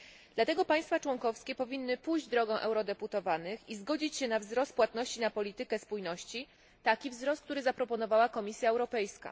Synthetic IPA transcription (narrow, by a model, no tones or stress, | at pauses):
d̪̥lat̪ɛɡɔpaj̃st̪fat͡ʂwɔŋkɔfskʲɛpɔvʲinːɘpujʑd͡ʑd̪ɾɔɡɛ̃w̃ʔɛwɾɔd̪ɛput̪ɔvanɘxizɡɔd͡ʑit͡ɕɕɛnavzɾɔst̪̚pːwat̪nɔɕt͡ɕinapɔlʲit̪ɘkɛspujnɔɕt͡ɕi | t̪akʲivzɾɔst̪kt̪uɾɘzapɾɔpɔnɔvawakɔmʲisʲjaɛwɾɔpɛjska̰